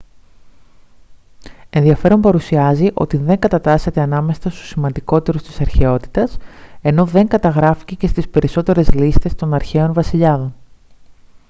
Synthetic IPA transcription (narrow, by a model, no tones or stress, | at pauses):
e̞nðiɐfe̞ɾo̞mpɐɾusiɐziʔo̞̰t̪iðe̞ŋɡɐt̪ɐt̪ɐse̞t̪e̞ɐnɐme̞sɐst̪u̥simɐnd̪iko̞t̪e̞ɾust̪i̥sɐɾçe̞o̞t̪i̥t̪ɐse̞no̞ðe̞ŋɡɐt̪ɐɣɾɐfi̥cece̞st̪ispe̞ɾiso̞t̪e̞ɾe̞zlist̪e̞st̪o̞nɐɾçe̞o̞nvɐsiʎɐðo̞n